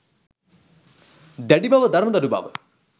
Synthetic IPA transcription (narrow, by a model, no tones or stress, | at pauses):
d̪ɛɖibaʋəd̪ɐɾməd̪ɐɾubʱa̰ʋə